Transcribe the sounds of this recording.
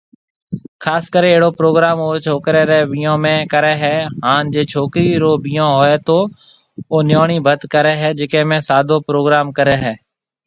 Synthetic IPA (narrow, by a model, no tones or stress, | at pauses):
kʰaːskəɾẽeːɽoːpɾoːɡɾaːmoːt͡ʃʰoːkɾeːɾɛːʋijõːmẽːkəɾeːɦɛːɦaːnd͡ʒeːt͡ʃʰoːkɾiːɾoːbiːjãːɦoːeːt̪oː | oːnɪjoːɳ̃iːbʱət̪kəɾɛːɦɛːd͡ʒɪkẽːmẽːsaːd̪ʱoːpɾoːɡɾaːmkəɾeːɦɛː